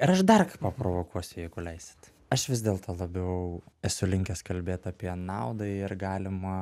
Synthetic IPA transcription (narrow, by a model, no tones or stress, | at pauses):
ɪɾɐʃd̪ɐrkpɐpɾoːʋoːkuɔsʲʊjɛɪɡʊlʲɛɪsʲɪ̥t̪ | ɐʃʋʲɪz̬ʲd̪ʲeːlˠt̪ʰoːlˠɐbʲɛʋɐʊɛsʊlʲɪŋʲkʲɛskɐlʲbʲeːt̪ɑpʲiɛnɑʊd̪ɐɪrɡɑːlʲɪmɐ